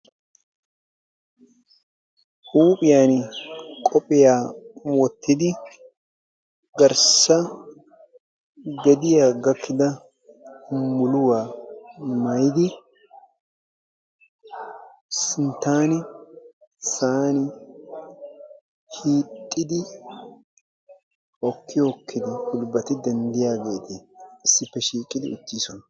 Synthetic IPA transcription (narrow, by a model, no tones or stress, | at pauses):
huːpʼɪjaːnkʼɔpʼɪjaːwɔt̪ʰːɪd̪ɪ | ɡɐɾsɐ | ɡɛd̪ɪjaːɡɐkʰːɪd̪ɐ | hʊmːʊlʊwaː | mɐjd̪ɪ | sɪnt̪ːaːnɪ | saːnɪ | hiːt̪ʼːɪd̪ɪ | ɔkːɪjokʰːɪd̪ɪhʊlbɐt̪ɪd̪ɛnd̪ɪjaːɡe̞ːt̪ɪɪsːɪpːɛʃiːkʼɪd̪ɪ̰ʊt͡ʃːiːsɔnɐ